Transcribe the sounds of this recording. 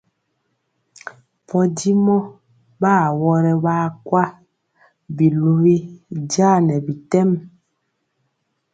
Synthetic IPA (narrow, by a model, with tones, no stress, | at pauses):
pʰɔ˦di˦mɔ˦ | baː˦˨wɔ˦ɾɛ˦βaː˦kwa˦ | bi˨lu˨wi˦daː˦˨nɛ˨bi˨tɛ˦m